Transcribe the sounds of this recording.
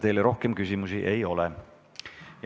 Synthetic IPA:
t̪e̞jleɾo̞hkemkys̬imusiʔe̞jo̞lɛ | j

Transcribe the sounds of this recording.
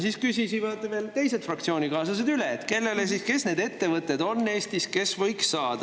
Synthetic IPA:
siskysisivɑd̪̥ve̞ːlt̪e̞jse̞d̪̥frɑk̚t̪sio̞ːnikɑːsɑsed̪yleet̪ːke̞lːe̞le̞s̬iske̞sne̞ːd̪e̞t̪ːe̞vɤt̪ːˑed̪o̞nːe̞ːst̪iske̞svɤ̞jksːɑːd̪̥ɑ

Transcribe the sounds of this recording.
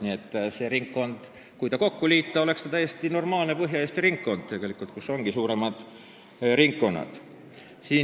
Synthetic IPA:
nie̞t̪ːse̞ɾiŋkːo̞nd̪̥ | kujt̪ɑko̞kːuliːt̪ːˑɑo̞le̞kst̪ɑt̪æjːest̪ino̞rmɑːlne̞pɤɦjɑest̪iɾiŋkːo̞nd̪̥̚t̪e̞ɡ̥e̞likːˑult̪̚kuso̞ŋɡ̥isuːɾe̞mɑd̪̥ | riŋkːo̞nːɑ̰d̪̥ | siː

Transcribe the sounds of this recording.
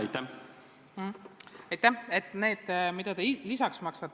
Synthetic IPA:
ɑjt̪ːæ | ɑjt̪ːˑæhe̞t̪ːˑne̞ːd̪̥mid̪̥ɑt̪elisɑksmɑksɑt̪ː

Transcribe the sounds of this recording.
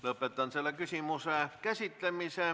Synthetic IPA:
lɤpːet̪ˑɑnsielːækysimuseˑkæsit̪ːemiseˑ

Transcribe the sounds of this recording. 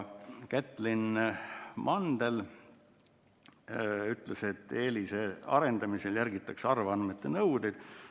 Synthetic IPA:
kæt̪ːˑlin | mʔɑnd̪el | yt̪ˑle̞se̞t̪ːeːliseɑ̰ɾe̞nd̪̥ɑmiseljæɾɡit̪ːˑɑksɑrvɑnmet̪ːˑenɤwd̪id̪̥

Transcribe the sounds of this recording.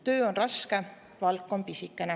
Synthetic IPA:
t̪ø̞ːo̞nrɑske̞ | vɑlkːˑo̞mpisikːˑene

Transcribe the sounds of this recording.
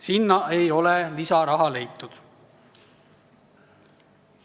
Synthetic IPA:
sinːɑe̞jo̞lelisɑɾɑɦɑle̞jt̪ːˑud̪̥

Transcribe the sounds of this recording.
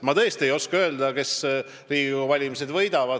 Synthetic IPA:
mɑt̪ɤest̪e̞jo̞skɑø̞ːld̪ɑke̞s | riːɡuvɑlʲimise̞d̪vɤ̞jd̪ɑvɑd̪

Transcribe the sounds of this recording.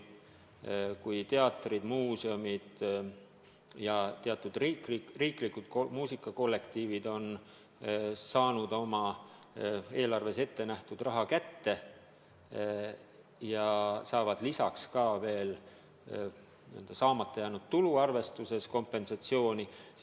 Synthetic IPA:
kujt̪e̞ɑt̪ːˑrid̪̥muːseomid̪̥ | jɑt̪e̞ɑt̪ːˑud̪̥rikliriːklikːud̪̥komuːsikːˑɑko̞lːe̞kt̪iːvid̪̥o̞n | sɑːnud̪̥o̞mɑ | e̞ːlɑrve̞se̞t̪ːe̞næht̪ud̪̥rɑɦɑkæt̪ːe̞ | jɑsɑːvɑd̪̥lisɑkskɑːve̞ːl | nḭnd̪̥ɑsɑːmɑt̪ːˑejænud̪̥t̪uluɑrve̞st̪use̞sko̞mpːˑe̞nsɑt̪sio̞ːnis

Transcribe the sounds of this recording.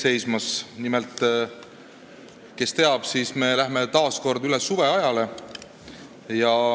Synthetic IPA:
se̞jsmɑsnimelt̪ˑ | ke̞st̪e̞ɑb̥sisme̞læɦme̞t̪ɑːsko̞rd̪ylesuve̞ɑjɑle̞ | jɑ

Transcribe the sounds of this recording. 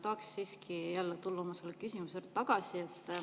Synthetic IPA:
t̪ɑːksːiːskʰijælːet̪ulːɑmɑselːekysimusert̪ɑɡ̥ɑsie̞t̪ːˑ

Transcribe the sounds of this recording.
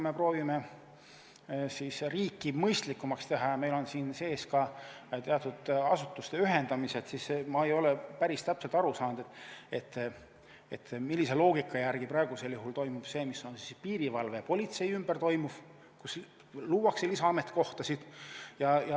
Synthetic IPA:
kume̞pro̞ːvime̞ | sisriːkːˑimɤjst̪likːˑumɑkst̪e̞ɦɑme̞jlo̞nsiːnse̞ːskɑt̪eɑt̪ːˑud̪̥ɑsut̪ːˑust̪e̞yɦe̞nd̪ɑmise̞t̪sisemɑejo̞lepæɾist̪æpselt̪ɑɾusɑːnd̪̥ee̞t̪ːˑ | et̪ːmilːise̞lo̞ːɡikːˑɑjærɡ̥ipɾɑeɡ̥use̞ljuhɦult̪o̞jmub̥se̞ːmisːo̞nsispiːɾivɑlve̞po̞lʲit̪se̞jymb̥ert̪o̞jmuv̥ | kus | luːwɑkselisɑɑme̞t̪ːˑko̞ht̪ɑsid̪̥jɑjɑ

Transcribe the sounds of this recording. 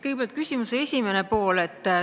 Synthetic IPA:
kɤjɡ̥̚peɑlt̪̚kysʲimuseesʲime̞ne̞po̞ːle̞t̪ː

